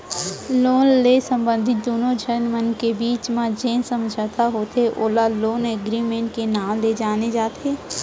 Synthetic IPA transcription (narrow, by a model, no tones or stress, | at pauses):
loːnlesə̃mbə̃nd̪ʱɪt̪̚d̪oːnõd͡ʒʱəɾnmənkebiːt͡ʃmãd͡ʒẽːnsə̃md͡ʒʱət̪aɦoːt̪eʔoːlaloːneɡɾimẽːɳʈ̚kenaːmled͡ʒaːned͡ʒaːt̪eː